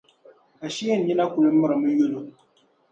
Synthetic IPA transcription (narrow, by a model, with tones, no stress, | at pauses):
a˨ʃi˦jɛ˦n˨ɲi˦na˦ku˨le˨˦m˦mə˦ɾə˨mə˦jo˦lo˦